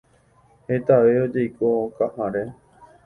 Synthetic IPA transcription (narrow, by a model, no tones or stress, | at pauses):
het̪aʋeod͡ʒejkokãʔãɾe